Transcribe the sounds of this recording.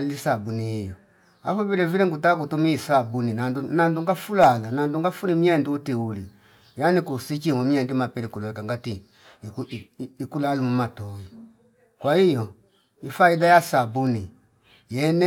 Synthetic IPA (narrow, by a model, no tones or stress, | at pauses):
lisabuniijɔ | a̰fɔviɾɛviɾɛŋɡutak̬utumiisabuninadunanduŋɡafulalananduŋɡafunimiɛndiutiuli | janikusit͡ʃimɔmiɛndimapɛɾikulɔɛkaŋɡati | ikulalumumatɔji | kwaijɔ | ifaidajasabuni | jɛnɛ